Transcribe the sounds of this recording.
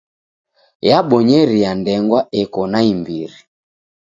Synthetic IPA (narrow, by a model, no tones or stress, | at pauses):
jaɓɔɲɛɾijandɛŋɡwaɛkɔnaimbiɾi